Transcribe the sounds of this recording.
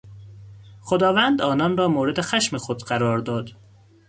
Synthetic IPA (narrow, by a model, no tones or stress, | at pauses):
xod̪ɒːvænd̪ɒːnɒnrɒːmoːɾe̞d̪e̞xæʃmexo̞d̪ɢæɾɒːɾd̪ɒːd̪̥